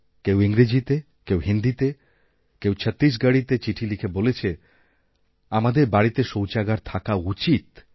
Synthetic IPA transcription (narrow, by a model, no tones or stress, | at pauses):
kewiŋɾed͡ʑit̪e | kewɦind̪it̪e | kewt͡ɕʰət̪ːɾiʃ̬ɡəɽit̪et͡ɕiʈʰilikʰebolet͡ɕʰe | amad̪eɾbaɽit̪eʃowt͡ɕaɡaɾt̪ʰakaut͡ɕit̪